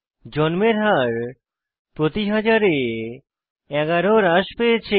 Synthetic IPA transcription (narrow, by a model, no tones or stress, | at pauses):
d͡ʑɔnmeɾɦaɾ | pɾot̪iɦad͡ʑaɾe | ɛɡaɾoɾaʃpeet͡ɕʰe